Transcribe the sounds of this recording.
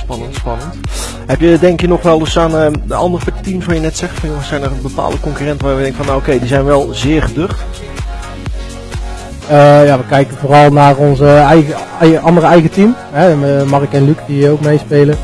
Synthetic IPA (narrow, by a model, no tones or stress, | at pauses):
spɑnəntspɑnənt | hɛpjədɛŋkjənɔχʋɛlˠdəsaːnədəɑ̰ndərəptimsʋaːjənɛtsɛχtfɑnjosɛjnərənbəpa̰ːlˠdəkɔŋkyrɛntəʋaːjdɛŋkəfɔnːaokejdizɛjnʋɛlˠzɪːɹχədøχt | əjaːʋəkɛjkənvoːrɑlˠnaːrɔnzəɛjəʔɑndərəɛjɣətim | ɦɛmɑrɪkɛnlykdiəowk̚mejspejlə